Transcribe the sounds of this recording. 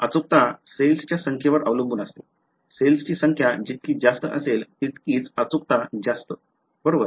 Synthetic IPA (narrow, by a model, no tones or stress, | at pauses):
ət͡suk̚t̪aselst͡ɕjasəŋkʰjeʋəɾʔəʋləmbuːnəst̪e | selsət͡ɕiːsəŋkʰjad͡ʑit̪̚kiːd͡zast̪əʔəselt̪it̪kiːt͡sət͡suk̚t̪ad͡zast̪ə | b̥əɾoʋəɾ